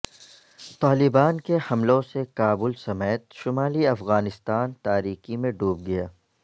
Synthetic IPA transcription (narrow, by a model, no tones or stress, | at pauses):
t̪aːlɪbaːnkehɐmlõsekaːbʊlsɐmɛːt̪ʃʊmaːliɐfɣaːnɪst̪aːnt̪aːɾiːkimẽɖuːb̚ɡɐjaː